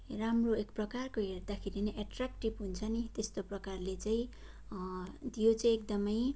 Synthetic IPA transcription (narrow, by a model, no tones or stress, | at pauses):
ramroekprʌkarkoɦerd̪akʰeɾineʔaʈrakʈibɦunt͡sʰʌnit̪est̪oprʌkarlet͡saĩ | t̪ijot͡saĩek̚d̪ʌmʌj